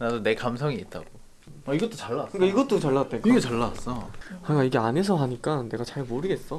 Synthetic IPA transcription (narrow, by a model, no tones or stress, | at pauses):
nadone̞kamsʰʌŋiit͈̚ʰa̰ɡ̥o | aiɡʌt͈ot͡ɕaɭːaɯnk͈aiɡʌt͈ot͡ɕaɭːat͈ekiɡet͡ɕaɭːaas͈ʌkaɲk͈aiɡe̞ane̞s̬ʰʌɦaɲik͈ane̞ɡat͡ɕaɭmoɾɯɡe̞ts͈ʌ